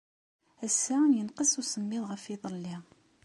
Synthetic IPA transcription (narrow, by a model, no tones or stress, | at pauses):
æsːæjənqəsusəmːɪðˤʁəfiðˤlːi